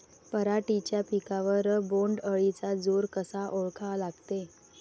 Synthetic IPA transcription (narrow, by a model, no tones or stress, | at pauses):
pəɾaʈit͡ɕjapikaʋəɾːəboɳɖəɭit͡sad͡zoɾkəsaʔoɭkʰalaɡt̪e